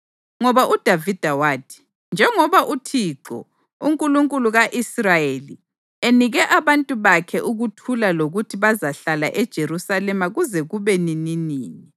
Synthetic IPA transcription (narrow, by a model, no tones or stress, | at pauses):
ŋɔβaʔud̥ʱavid̥ʱawaːdʰi̥ | nd͡ʒʱɛŋɔβaʔutʰiːǁɔ̰ | uŋkʼuluŋkʼuluɣaʔisrajeli | eniɣɛʔaβantʼuβakʰɛʔuɣutʰulaloɣutʰiβazaɬala̰ʔɛd̥ʒ̥ʱeɾusalɛmaɣuzɛɣuβɛnininiːni